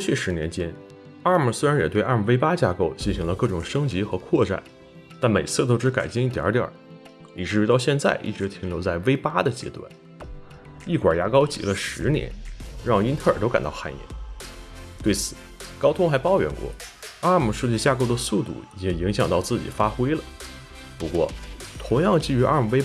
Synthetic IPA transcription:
kwɔ˥˧t͡ɕʰy˥˩ʂɻ̩˧˥njɛ˧˥nt͡ɕjɛ˥n | a˥˧mə˨˩swe˥ɪɻa˧˥njɛ˨˩t̪we˥˧ɪʔa˥˧˩m̩˨˧˩ʋe˥ɪpa˥t͡ɕja˥˧ko˥˧ʊt͡ɕi˥˩nɕi˧˥ŋlə˧kɤ˥˩ʈ͡ʂʊ˨˩ŋʂɤ˥ŋt͡ɕi˧˥xɤ˧˥kʰwɔ˥˧ʈ͡ʂa̰˥˩n | t̪a˥˩nme˨˩ɪt͡sʰɹ̩˥˩t̪o˥ʊʈ͡ʂɻ̩˧˥ka˨˩ɪt͡ɕi˥ŋi˥˩t̪jɑ̰˧˥t̪jɑ̰˨˩˦ | i˨˩ʈ͡ʂɻ̩˥ɻu˧˥t̪ɑ˥˧ʊɕjɛ˥˧nt͡sa̰˥˧ɪʔḭ˥˩ʈ͡ʂɻ̩˧˥t̪ʰi˧˥ŋljo˧˥ʊt͡sa˥˩ɪʋe˥ɪpa˥d̪ə˨t͡ɕjɛ̰˥t̪wa̰˥˩n | i˥˩kwa̰˨˩ja˧˥kɑ˥ʊt͡ɕḭ˨˩lə˧ʂɻ̩˧˥njɛ̰˧˥nɻɑ˥˩ŋi˥nt̪ʰə˞˥˩˨t̪o˥ʊka̰˨˩nt̪ɑ̰˥˧xa̰˥˩nḭ˧˩n | t̪we˥˩ɪt͡sʰɹ̩˨˩˦ | kɑ˥ʊt̪ʰʊ˥ŋxa˧˥ɪpɑ˥ʊɥɛ̰˧˥nkwɔ̰˥˩a˥˧mu˨˩ʂɻ̩˥˧t͡ɕi˥˧˩ɕja˥˧ko˥ʊd̪ə˨su˥˧t̪ṵ˥˩i˨jt͡ɕɛ˧˥ŋi˧˥ŋɕjɑ˨˩ŋt̪ɑ˥˧ʊt͡sɹ̩˥˩t͡ɕḭ˨˩fa˥xwe˥ɪlə˨ | pu˧˥kwɔ̰˥˩t̪ʰʊ˧˥ŋjɑ˥˧ŋt͡ɕi˥˩y˧˥ʔa̰˥˧˩m˨˩ʋe˥ɪ

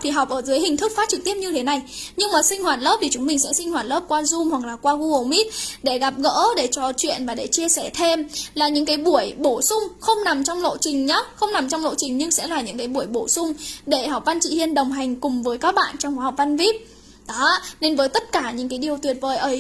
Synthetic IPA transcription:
t̪ʰi˨˩ɦɔ˨˩k͡p̚ʔəː˧˩zɨː˨˦jhï˨˩ŋ̟t̪ʰɨ˦˥k̚faː˨˦t̚t͡ɕɨ˨˩k̚t̪i˦˥əp̚ɲɨ˧t̪ʰe˨˦na˨˩jɲɨ˧ŋmaː˨˩sï˧ŋ̟hwaː˨˩t̚lə˦˥p̚t̪i˨˩t͡ɕʊ˨˦ŋ͡mmï˨˩ŋsɛ̰˧˥sï˧ŋ̟hwaː˨˩t̚ləː˦˥p̚kwaː˧zu˧mhwa˨˩k̚laː˨˩kwaː˧ɣu˧ə˨˩wmi˦˥t̚ɗe˧˩ɣa˨˩p̚ɣə̰ː˧˥ɗe˧˩t͡ɕɔ˧˩t͡ɕwḭ˧ənvaː˨˩ɗe˧˩t͡ɕi˧əsɛ˧˩t̪ʰe˧mlaː˨˩ɲɨ̰˧˥ŋkaː˨˦jɓu˧˩əjɓo˧˩sʊ˧ŋ͡mxə˧wŋ͡mna˨˩mt͡ɕɔ˧wŋ͡mlo̰˧˨t͡ɕï˨˩ŋ̟ɲɔ˨˦xə˧wŋ͡mna˨˩mt͡ɕɔ˧wŋ͡mlo̰˧˨t͡ɕï˨˩ŋ̟ɲɨ˧ŋsɛ̰˧˥laː˨˩ɲɨ̰˧˥ŋkaː˨˦jɓu˧˩əjɓo˧˩sʊ˧ŋ͡mɗe˧˩ha˨˩wp̚va˧nt͡ɕḭ˧˨hi˧ənɗə˨˩wŋ͡mɦa˨˩jŋ̟kʊ˨˩ŋ͡mvəː˨˦jkaː˦˥k̚ɓa̰ː˧˨nt͡ɕɔ˧ŋ͡mxa˨˦˨p̚va˧nvi˦˥p̚ | ɗɔ˨˦ne˧nvəː˨˦jt̪ə˦˥t̚kaː˧˩ɲɨ̰˧˥ŋkaː˨˦jɗi˨˩əwt̪wi˨˩ət̚vəː˨˩jʔəː˧˩

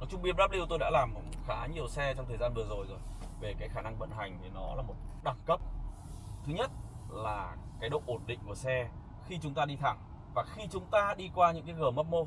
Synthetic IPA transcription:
nɔ˨˦t͡ɕʊ˧ŋ͡mɓi˧əp̚ɗaː˦˥p̚li˧wt̪o˧jɗa̰ː˧˥laː˨˩mxaː˨˦ɲi˨˩əwsɛ˧t͡ɕɔ˧ŋ͡mt̪ʰəː˨˩zaː˧nvɨ˨˩əzo˨˩jzo˨˩jve˨˩kaː˨˦jxaː˧˩na˧ŋɓə̰˧˨nɦa˨˩jŋ̟t̪ʰi˨˩nɔ˨˦laː˨˩mo˨˩ɗa˧˩ŋkə˦˥p̚ | t̪ʰɨ˨˦ɲə˦˥t̚laː˨˩kaː˨˦jɗo̰˧˨ʔo˧˩nɗḭ˧˨ŋ̟ku˧˩əsɛ˧ | xi˧t͡ɕʊ˨˦ŋ͡mt̪aː˧ɗi˧t̪ʰa̰˧˩ŋ | vaː˨˩xi˧t͡ɕʊ˨˦ŋ͡mt̪aː˧ɗi˧kwaː˧ɲɨ̰˧˥ŋkaː˨˦jɣɨ˨˧˩mə˦˥t̚mo˧

